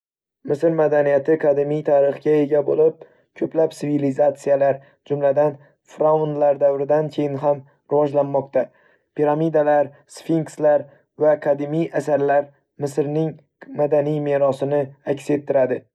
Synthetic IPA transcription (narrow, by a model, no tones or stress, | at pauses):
mɪsɪɾmad̪anijat̪ʰɪkʰad̪ɪmijt̪ʰaɾɨχɡʲae̞ɡʲabolɪp̚ | kʲʰɵplapsɪvilizat̪sijalaɾ | d͡ʒʊmlad̪an | fɾaund̪laɾd̪avɾɪd̪ankʲʰe̞jɪnɦam | ɾɪvɒd͡ʒlanmɒqt̪ʰa | pʰiɾamid̪alaɾ | sfiŋkslaɾ | vakʰad̪ɪmijasaɾlaɾ | mɪsɾnɪŋ | mad̪anijme̞ɾɒsɪnɪakʲse̞t̪ʰːɪɾad̪ɪ